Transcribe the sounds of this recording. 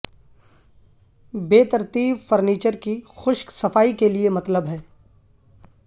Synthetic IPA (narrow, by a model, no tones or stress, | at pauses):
beːt̪ɐɾt̪iːbfɐɾniːt͡ʃəɾkixʊʃksɐfaːikeliemɐt̪ləbɦɛː